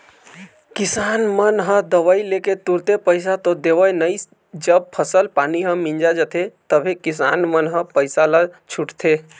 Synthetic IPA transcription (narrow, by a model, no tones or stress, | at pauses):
kɪsanmənɦəd̪əʋaileket̪uɾt̪epəɪs̬at̪od̪eʋəjnəis | d͡ʒəb̚pʰəsəlpaniɦə̃mĩɲd͡ʒad͡ʒət̪ʰet̪əbʱekɪsanmənɦə̃pəɪsalət͡ʃʰuʈt̪ʰe